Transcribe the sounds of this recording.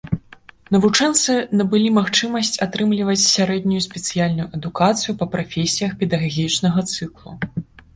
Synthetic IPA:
nɐvut͡ʂɛnt̪sɨnɐbɨlʲimaxt͡ʂɨmɐsʲt͡sʲat̪ɾɨmlʲivɐt͡sʲsʲaɾɛd̪ʲnʲujusʲpʲɛt̪sɨjalʲnujuʔɐd̪ukat̪sɨjupɐpɾafʲesʲijɐxpʲɛd̪ɐɣaɣʲit͡ʂnɐɣɐt̪sɨklˠṵ

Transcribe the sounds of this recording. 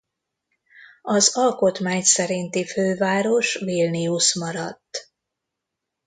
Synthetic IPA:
ɒzɒlko̞t̪maːɲsɛɾint̪iføːvaːɾo̞ʃvilniusmɒɾɒt̪ː

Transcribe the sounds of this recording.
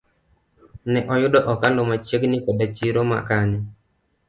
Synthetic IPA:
nɛʔɔjʊdɔʔɔkandɔmat͡ʃeɡnɪkɔdat͡ʃiɾoma̰kaɲɔ

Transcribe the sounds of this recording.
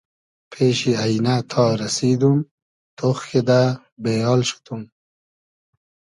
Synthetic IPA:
pʰeːʃiajnat̪ʰɑːɾasid̪um | t̪ʰoxked̪a | bejɑːlʃu̥t̪um

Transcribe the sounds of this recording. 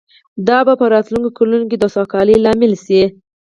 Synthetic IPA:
d̪ɑbapəɾɑt̪luŋkokolunokid̪əsɑkɑlilɑmɪlsi

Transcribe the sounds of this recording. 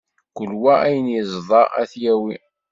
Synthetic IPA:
kʷəlwææjənjəzˤðˤɑæ̰θjæwi

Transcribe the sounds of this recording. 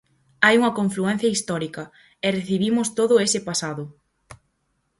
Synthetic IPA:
ajuŋɐkoɱfluɛn̟θjɐist̪ɔɾikɐ | ɛreθiβimʊst̪oðʊesɪpasaðʊ

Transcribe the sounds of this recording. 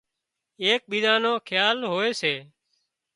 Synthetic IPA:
eːk̚ɓiːd̪ãːnõːkʰjaːlɦoːeːseː

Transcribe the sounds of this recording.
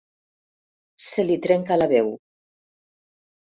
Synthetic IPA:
selit̪ɾeŋkalaβew

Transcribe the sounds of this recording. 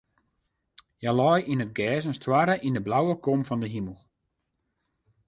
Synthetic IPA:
jalɔjʔinət̚ɡɛːsənstwaɾəʔindəblawəkomfɔndəɦiməlˠ

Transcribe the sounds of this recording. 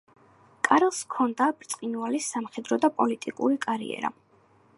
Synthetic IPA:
kʼaɾɛlˠskʰɔnd̪abɾt̪sʼqʼinualisːamχɛd̪ɾɔd̪apʼɔlit̪ʼikʼṵɾikʼaɾḭɛ̰ɾa̰

